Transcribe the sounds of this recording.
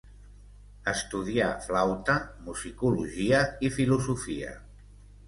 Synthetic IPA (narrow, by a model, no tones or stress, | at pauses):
əst̪uð̞iaflawt̪əmuzikuluʒiəifiluzufiə̰